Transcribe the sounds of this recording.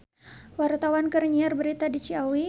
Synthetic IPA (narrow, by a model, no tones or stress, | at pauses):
wart̪awankərɲiarbəɾit̪adit͡ʃiawi